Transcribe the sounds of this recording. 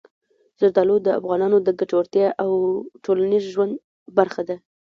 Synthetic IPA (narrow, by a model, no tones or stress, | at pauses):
z̥aɾd̪ɑlod̪əa̰fɣɑnɑnod̪əɡaʈowɾt̪jɑʔawʈʰolanizʒwand̪ | baɾxad̪a